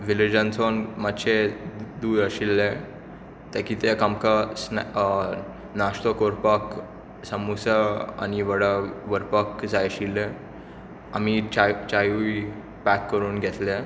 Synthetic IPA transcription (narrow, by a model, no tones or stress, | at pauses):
ʋilid͡ʑənt͡sonmat̪ɕʰed̪uːɾəɕilːe | t̪ekit̪ekamkas | nast̪okoɾpak | səmusaa̰ñiʋəɽaʋəɾpəkd͡zajəɕilːe | amit͡ɕat͡ɕajuj | pækːəɾuːnɡʱɛt̪le